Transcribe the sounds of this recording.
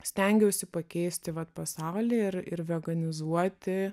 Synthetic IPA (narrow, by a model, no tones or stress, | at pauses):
sʲt̪ʲɛŋʲɡʲɛʊsʲɪpɐkʲɛɪsʲt̪ʲɪʋɐt̪pɐsɑʊlʲiːɪɾɪɾʋʲɛɡɐnʲɪzuɔt̪ʲɪ